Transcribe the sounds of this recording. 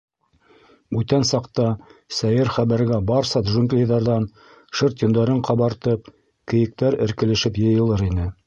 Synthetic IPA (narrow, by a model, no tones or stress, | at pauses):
bʉt̪ænsɑqt̪ɑsæjɘɾχæβæɾɡæbɑɾsɑt̪ʒuŋɡlʲijðɑɾðɑn | ʃɤɾt̪ŏnd̪ɑɾɤɴqɑβɑɾt̪ɤp̚ | kɘ̆jɘ̆k̚t̪æɾɘ̆ɾkɘ̆lɘ̆ʃɘpjɤ̆jɤ̆lˠɤɾinɘ